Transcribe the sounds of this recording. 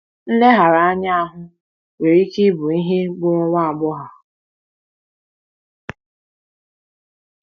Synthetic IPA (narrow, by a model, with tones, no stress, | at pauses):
n̩˦le˦ɦa˨ɾa˨a˦ɲa˦a˦ɦʊ˦ | we˨ɾi˦ki˦bʊ˨i˦ɦe˦ɡ͡bʊ˦ɾʊ˦wa˦a˨ɡ͡bɔ˦ɦa˨